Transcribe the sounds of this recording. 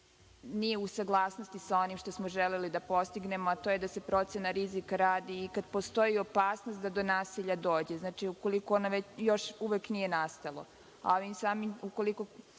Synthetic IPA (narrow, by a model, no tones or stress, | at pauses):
nijeusaɡlˠaːsno̞st̪isao̞nimʃt̪o̞smo̞ʒelelid̪apo̞st̪iɡne̞moat̪o̞ːjed̪ase̞pɾo̞t̪senaɾizikaɾaːd̪iːkad̪po̞st̪ojio̞paːsnost̪̚d̪ad̪o̞naːsiʎad̪o̞ːd͡ʑeznaːt͡ʃiuko̞likoonoʋet͡ɕjo̞ʃuʋeknije̞nast̪alˠo̰ | a̰oʋimsaːmiuko̞liko